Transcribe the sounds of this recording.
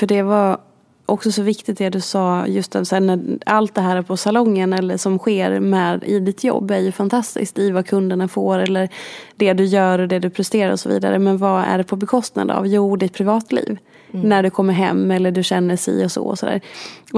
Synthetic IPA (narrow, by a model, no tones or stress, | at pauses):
fœɖɛva | ʔɔksɔsɔvɪkt̪ɪt̪̚d̪ɛd̪ɵsɑːjɵst̪ɑsɛnæalt̪̚d̪ɛɦæːɾæɾpʰɔsalɔŋːənɛlːəʂɔmɧeːɾmɛːd̪ɪ̰d̪ɪt̪ʰjɔ̰bːæɾjɵfant̪ʰast̪ɪ̰sk̚t̪ɪvakʰɵnd̪əɳafoːɾɛlːəɾd̪ɛd̪ɵjœːɾɔd̪ɛd̪ɵpʰɾɛst̪eːɾa̰ɾɔsɔvḭːd̪a̰ɾəmɛnvɑæ̰ɖɛpʰɔbɛkʰɔst̪na̰d̪ə̰a̰vjuːd̪ɪt̪̚pʰɾɪvɑːt̪lḭːv | næɖɵkʰɔmːəɾɦɛ̰mːɛlːəɖɵɕɛnːəʂɛ̰ɔsɔ̰ːɔ̰sɔd̪æ̰ːɾ